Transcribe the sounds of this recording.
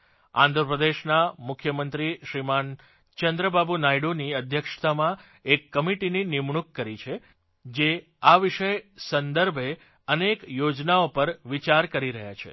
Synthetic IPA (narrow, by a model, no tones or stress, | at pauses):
ã̰nd̪ʱɾəpɾəd̪eʃnamʊkʰjəmənt̪ɾiʃɾiman | t͡ʃənd̪ɾəbabʱunajɖoniəd̪ʱjəkʂt̪ʰamã | ekːəmiʈininimɳukːəɾit͡ʃʰe | d͡ʒe | aʋiʃəjsənd̪əɾbʱe | ənekjod͡ʒnaopəɾʋit͡ʃaɾkəɾiɾəɦja̰t͡ʃʰḛ